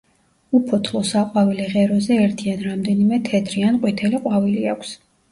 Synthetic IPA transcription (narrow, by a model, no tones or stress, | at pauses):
upʰɔt̪ʰlˠɔsaqʼwavilɛʁɛɾɔzɛːɾt̪ʰianɾamd̪ɛnimɛt̪ʰɛt̪ʰɾianqʼwit̪ʰɛliqʼwaviliakʷʰs